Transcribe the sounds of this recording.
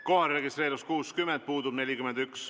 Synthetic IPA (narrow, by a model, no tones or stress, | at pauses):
kohɑɾre̞ɡist̪ɾe̞ːɾuskuːskymɛnd̪̥̚puːd̪ub̥ne̞lʲikymɛnd̪yks